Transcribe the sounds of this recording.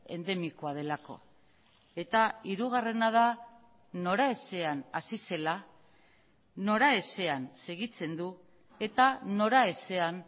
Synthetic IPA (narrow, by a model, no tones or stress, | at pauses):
e̞̰nd̪e̞miko̞að̞e̞lako̞̰ | e̞t̪aiɾuɣ̞are̞nað̞a | no̞ɾae̞se̞anasise̞la | no̞ɾae̞se̞anse̞ɣit͡se̞nd̪u | e̞t̪ano̞ɾae̞se̞an